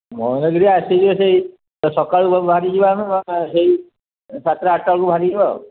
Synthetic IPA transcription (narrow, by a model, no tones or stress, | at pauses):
mɔnɔɡɾiasid͡ʒiɔsei | sɔkaɭbʱaɾid͡ʒibansei | sat̪ɾaːʈaɭkubʱaɾid͡ʒiba̰